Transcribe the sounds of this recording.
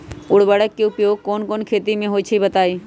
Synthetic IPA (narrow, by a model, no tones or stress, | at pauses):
ʊɽbəɽəkːiʊpjoːɡ̚kɔːnkɔːnkʰeːt̪imẽɦoːit͡ʃʰibɐt̪aːiː